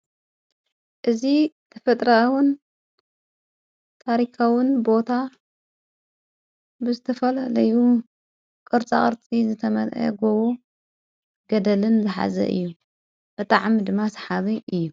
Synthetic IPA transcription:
ʔɨzit̪ʰɐfɐt̪ʼɾɐwʊn | t̪ʰaɾikʰawɨnbo̞t̪ʰa | bɨzɨt̪ʰɐfɐlalɐju | kʼɨɾt͡sʼaχʼɨɾt͡sʼizɨt̪ʰɐmɐlʔɐ̰ɡoβo | ɡɐd̪ɐlɨnzɨħa̰zɐ̰ʔɨ̰jːu | b̥ɨt̪ʼaʕmid̪ɨmːasħaβiʔɨjːu

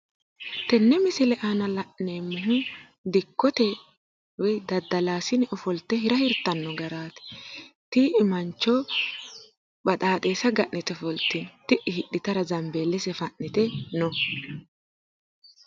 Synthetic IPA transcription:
t̪ɛnːɛmɪsɪlɛʔanɐlɐʔneːmːɪɦʊ | d̪ɪkːɔt̪ɛ | wɔjd̪ɐd̪ːɐlaːsɪnɛʔɔfɔlt̪ːɛɦɪɾɐhɪɾt̪ːɐnːɔɡɐɾaːt̪ɪ̥t̪iɪmɐnt͡ʃːɔ | bɐt̪ʼaːt̪ʼeːsɐɡɐʔːɪt̪ɛfɔlt̪int̪ɪʔɪhɪɗːɪt̪ɐɾɐzɐmbeːlːɛsɛfɐʔːɪt̪ɛnɔ

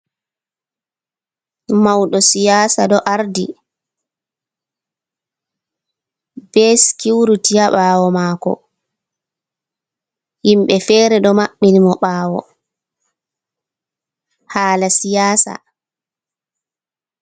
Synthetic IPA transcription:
mawɗɔsijaːsaɗɔʔaɾdi | b̥ɛskiwɾutijaɓaːwɔmaːkɔ̰ | himɓɛfɛːɾɛɗɔmaɓːinimɔɓaːwɔ̰ | haːlasijaːsa̰

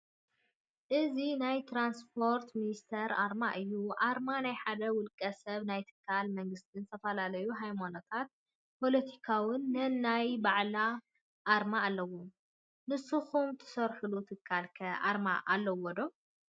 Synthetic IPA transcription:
ʔɨzinajt̪ʰɾanspʰo̞ɾt̪minist̪ʰɐɾʔaɾmaʔɨjːuʔaɾmanajħad̪ɐwʊlkʼɐsɐβnajt̪ʰɨ̥kʰːalmɐŋɡɨst̪ʰʼinzɨt̪ʰɐfɐlalɐjuɦajmonot̪ʰat̪̚ | pʰo̞lɐt̪ʰikʰawɨnːɨnnajbaʕla | ʔːɾmaːlːɐwu | nɨsuxumt̪ʰɨ̥sɐɾħulut̪ʰɨkʰːalkʰɐa̰ɾma̰ʔalːɐwɔd̪o

